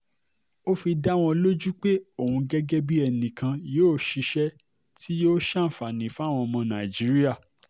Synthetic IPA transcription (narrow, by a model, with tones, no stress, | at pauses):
o˦fi˧da˦w̃ɔ̃˧lo˦d͡ʒu˦k͡pe˦o˦˨hũ˧ɡɛ˦ɡɛ˦bi˦ɛ˧nĩ˨kã˧joː˦˨ʃi˧ʃɛ˦ | tʰi˦jo˦ʃa˦˨fa˨nĩ˨fu˦˨w̃ɔ̃˧mɔ̃˧nã˨d͡ʒi˦ɾi˦a˦˨